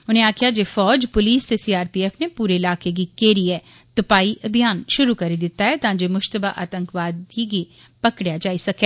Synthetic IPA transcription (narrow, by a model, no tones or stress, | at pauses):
ʊnɦẽaːkijad͡ʒefɔːd͡ʒpʊliːst̪esiaːɾpiɛːfnepuːɾeɪlaːkek̬ikeːɾiɦɛ | t̪ʊpaːiʔʔɐbʱijaːnʃʊɾukɐɾed̪ɪt̪ːaɦɛt̪ãd͡ʒemʊʃt̪əbaʔa̰ːt̪ə̃ŋkʋaːd̪iɡi | pɐkɽjad͡ʒaːisɐke